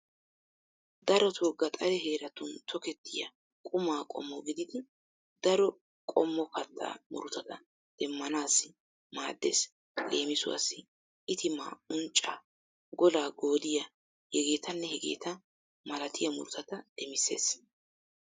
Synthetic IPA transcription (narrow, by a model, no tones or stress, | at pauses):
d̪ɐɾɔt̪ʰɔɡɐt̪ʼɐɾɛɦe̞ːɾɐt̪ʊnt̪ʰɔkɛt̪ʰːɪjɐ̰ | kʼʊmaːkʼɔ̰mːɔɡɪd̪ɪd̪ɪ | d̪̥ɐɾɔ | kʼɔmːɔkɐt̪ʰːa̰ːmʊ̰ɾʊt̪ɐt̪ɐ | d̪̥ɛmːɐnaːsːɪ | maːd̪ːḛs | leːmɪsʊwa̰sːɪ | ʔɪt̪ɪmːa̰ːʊnt͡ʃʼːa | ɡɔlaːɡo̞ːd̪ɪjɐ | hɛɡe̞ːt̪ʰɐnːɛhɛɡe̞̰ːt̪ɐ | mɐlɐt̪ɪjɐmʊ̰ɾʊt̪ɐt̪ɐd̪̥ɛmɪsːe̞̰ːs